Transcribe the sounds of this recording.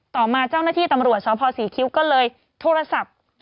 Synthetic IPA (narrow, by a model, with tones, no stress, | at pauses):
t̪ɔː˨˩maː˧t͡ɕa˥˩wnaː˥˩t̪ʰiː˥˩t̪a˧mɾu˨˩ət̪̚sʰɔː˦pʰɔː˧siː˩˦kʰi˦˥wkɔː˥˩lɤː˧j | t̪ʰoː˧ɾa˧sa˨˩p̚